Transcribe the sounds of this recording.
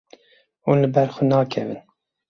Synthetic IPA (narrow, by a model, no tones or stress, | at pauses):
uːnlɨbɛɾxʊnɑːkʰɛvɨn